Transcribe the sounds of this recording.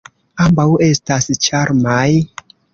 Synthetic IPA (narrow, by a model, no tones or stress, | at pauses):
ambawestast͡ʃaɾmaj